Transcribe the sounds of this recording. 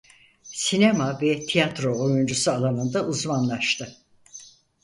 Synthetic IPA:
sine̞mavɛt̪ʰijat̪ɾo̞ojund͡ʒusualˠamɯnd̪aʔuzmanlˠaʃt̪ʰɯ

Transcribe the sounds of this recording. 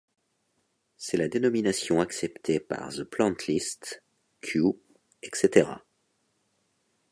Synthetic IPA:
sɛlad̪enɔminasjɔ̃aksɛpt̪ʰepa̰ʁzəplɑ̃t̪ʰlist̪ | kʲʰju | ɛkset̪eʁa̰

